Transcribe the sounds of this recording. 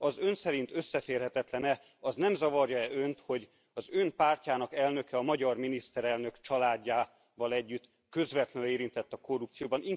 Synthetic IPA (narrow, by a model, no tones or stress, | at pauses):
ɒzø̞nsɛɾint̪ø̞sːɛfeːrɦɛt̪ɛt̪lɛnɛ | ɒznɛmzɒvɒrjɒɛø̞nt̪ho̞ɟ | ɒzø̞npaːrcaːnɒkɛlnø̞kɛɒmɒɟɒrminist̪ɛɾɛlnø̞kt͡ʃɒlaːɟːaː | vɒlɛɟːyt̪ | kø̞zvɛt̪lɛneːɾint̪ɛt̪ːɒko̞rːup̚t̪sijoːbɒnʔiŋ